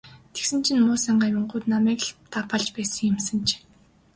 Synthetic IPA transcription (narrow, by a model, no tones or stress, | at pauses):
t̪ʰe̥ksɘ̆nt͡ɕʰĭnmʊːsaɴɢaːmʲʊɴɢʊːt̪namæːkɮt̪ʰapɔɮt͡ɕpæːsə̆ŋjʊ̆msə̆nt͡ɕʰ